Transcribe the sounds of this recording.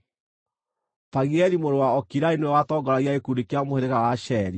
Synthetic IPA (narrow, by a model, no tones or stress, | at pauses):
paɣiɛɾimoɾowaɔkiɾainwɛwatɔɡɔɾaɣjaekuɾekjamoheɾeɣawaʃɛɾi